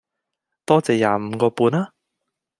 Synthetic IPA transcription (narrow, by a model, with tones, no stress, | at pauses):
t̪ɔː˥t͡sɛː˨˩jaː˨˧m̩˨˧kɔː˧puː˧naː˦˥